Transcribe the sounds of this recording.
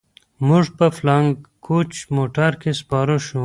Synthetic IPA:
muʐpəflɑŋɡkut͡ʃmoʈaɾkespɑɾoʃu

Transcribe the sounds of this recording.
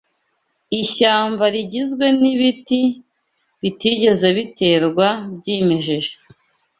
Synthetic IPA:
içaːmbaɾiɟizɡwe̞niβiti | βitiɟe̞zeβite̞ːɾɡwabɟiːmeʒeʒe̥

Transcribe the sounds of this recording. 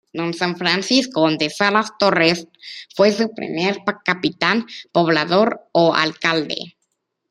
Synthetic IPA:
d̪onsaɱfɾansiskoond̪esalast̪oresfwesupɾḭmeɾpkapit̪anpoβ̞laðoɾoa̰lkald̪ḛ

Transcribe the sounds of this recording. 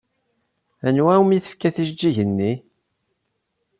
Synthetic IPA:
ænwæwmjiθə̥fkæθiʃ̬d͡ʒːiʝənːi

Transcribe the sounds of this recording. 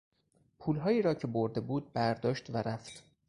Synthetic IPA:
pʰuːlɦɒːjiːɾɒːcʰe̞bo̞ɾd̪e̞buːd̪̚bæɾd̪ɒːʃt̪væɾæft̪

